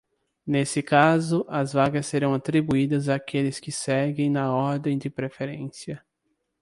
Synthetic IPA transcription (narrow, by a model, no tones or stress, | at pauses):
nesɪkazʊʔɐzvaɡɐsːeɾɐ̃w̃at̪ɾibuid̪ɐzaːkelɪskɪsɛɡẽj̃nɐɔɾd̪ẽj̃d͡ʒ̪ɪpɾefeɾẽsiɐ